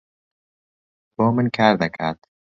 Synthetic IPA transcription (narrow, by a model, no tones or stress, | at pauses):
b̥ɔːmənkʰaɾd̪akʰaɾd̪